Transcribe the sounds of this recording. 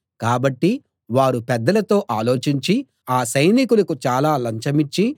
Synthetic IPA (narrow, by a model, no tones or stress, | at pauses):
kaːbɐʈːi | ʋaːɾupɛd̪ːɐlɐt̪o̞ːʔaːlo̞ːt͡ʃiɲt͡ʃi | aːsɐjnikulɐkut͡ʃaːlaːlɐɲt͡ʃɐmit͡ʃːi